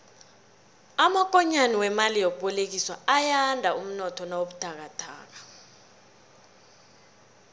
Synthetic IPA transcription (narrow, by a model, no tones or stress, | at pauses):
amak̬ʼɔɲaniwɛmalijok̬uɓɔlek̬iswa̰ajandʱaum̩nɔtʰɔnawoɓud̥ʱak̬atʰa̰ːk̬ḁ